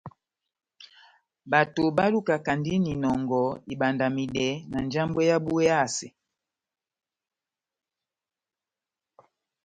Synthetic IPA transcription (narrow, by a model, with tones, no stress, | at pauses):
ba˨to˨ba˦lu˦ka˨ka˨ndi˦ni˨nɔ˨ŋɡɔ˨i˨ɓa˨nda˨mi˨dɛ˨˦na˨nd͡ʒa˦mbwɛ˦ja˦bu˦ɛ˦a˦˨si˨